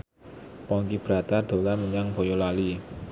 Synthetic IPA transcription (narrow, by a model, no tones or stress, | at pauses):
pɔŋkib̥əɾa̤t̪ad̪̥o̤laməɲaŋb̥ojolali